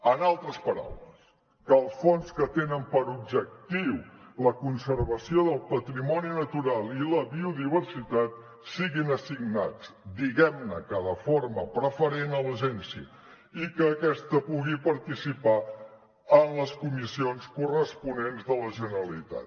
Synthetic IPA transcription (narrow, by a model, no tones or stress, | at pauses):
ənalˠt̪ɾəspəɾa̰wləs | kəːlˠsfonskət̪enəmpəɾub̚ʒək̚t̪iwləkunsəɾβəsioðəlˠpət̪ɾimɔninət̪uɾalˠiləβiuðiβ̞ərsit̪at̪̚ | siɣinəsiɡnat͡sd̪iɣɛmnəkəðəforməpɾəfəɾenələʒɛnsiə | ikəːkɛst̪əpuɣipəɾt̪isipa | ənləskumisionskurəspunenzðələʒənəɾəlit̪a̰t̪